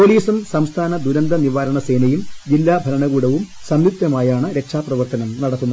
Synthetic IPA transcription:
poliːsumsɐmst̪ʰaːnɐd̪uɾɐnd̪ɐniʋaːɾɐɳɐse̞ːnɐjumd͡ʑilːaːbʱɐɾɐɳɐɣuːɽɐʋum | sɐmlit̪jɐmaːjaːɳɨɾe̞kʂaːprɐʋɐrt̪ɐnɐmnɐɽɐt̪ːunːɐð

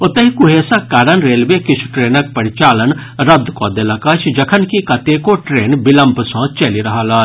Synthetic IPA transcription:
ʊt̪ɐɦikʊɦeːsakaːɾənɾeːlʋekɪt͡ʃʰu̥ʈɾeːnək̚pɐɾɪt͡ʃaːlən | ɾɐd̪koːd̪elɐkɐt͡ʃʰd͡ʒɐkʰənkikɐt̪ekoʈɾeːnbɪləmpsɔ̃ːt͡ʃɐliɾɐɦaːlaː

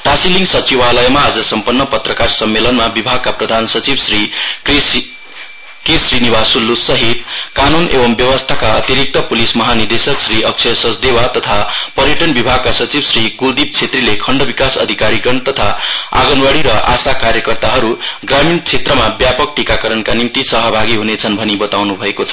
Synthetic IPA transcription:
ʈasiliŋɡsʌt͡sibalʌjmaːd͡zʌsʌmpʌnːʌpʌt̪rʌkarsʌmːelʌnmabibʱaɡ̚kaprʌd̪ʱansʌt͡sibsri | kisrinibasulːusʌɦit̪̚kanunʔḛbʌmbjʌwʌst̪ʰakaʌt̪iɾik̚t̪ʌpulismʌɦanid̪esʌksriʌk̚t͡sʰʌsʌsd̪ewat̪ʌt̪ʰapʌɾjeʈʌnbibʱaɡ̚kasʌt͡sibsrikud̪ib̚t͡sʰet̪rilekʰʌɳɖʌbikasʌ̰d̪ʱikaɾiɡʌnt̪ʌt̪ʰaa̰ɡʌnwaɽiɾʌʔasakaɾjʌkʌrt̪aɦʌɾuɡramint͡sʰet̪rʌmabjapʌk̚ʈikakʌɾʌnkanimt̪isʌɦʌbʱaɡiɦunet͡sʰʌnbʱʌnibʌt̪awnubʱʌekot͡sʰʌ̥

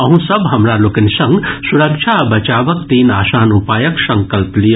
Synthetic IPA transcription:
ɐɦũsɐbɦɐmɾaloːkɐnisɐŋɡsuɾɐkt͡ʃʰabɐt͡ʃaːʋɐk̚t̪iːnaːsaːnupaːjɐksɐŋkɐlplij

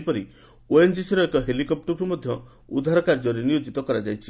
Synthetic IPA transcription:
pɔɾi | oend͡ʒisiɾɔekɔɦelikɔp̚ʈuɾɾmɔd̪ʱjɔ | ud̪ʱaɾɔkaɾd͡ʒɔɾinijod͡ʒit̪ɔkɔɾad͡ʒajt͡ʃʰi̥

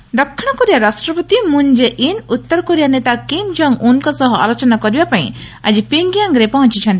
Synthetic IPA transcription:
d̪ɔkʰːiɽ̃ɔkɔɾijaɾasʈɾɔpɔt̪imund͡ʒeʔinut̪ːɔɾkɔɾijanet̪akimd͡ʒɔŋunkɔsɔɦɔʔa̰lɔt͡ʃɔnakɔɾibapaj̃ | ad͡ʒipiŋɡijaŋɡɾepɔɦɔ̃nt͡ʃit͡ʃʰɔ̃nt̪

